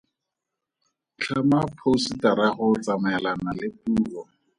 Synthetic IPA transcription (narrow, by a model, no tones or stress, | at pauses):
t͡ɬʰamapʰositaɾaχʊt͡samɛlanalɪpuːlɔ